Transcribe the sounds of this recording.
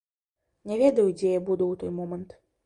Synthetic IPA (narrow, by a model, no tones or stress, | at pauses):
nʲɛvʲɛd̪ɐjud͡zʲɛjabud̪uwt̪ɔjmɔmɐnt̪